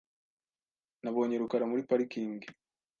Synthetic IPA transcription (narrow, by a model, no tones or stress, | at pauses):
naβo̞ːɲe̞ɾukaɾamuɾipaɾikiːŋɡi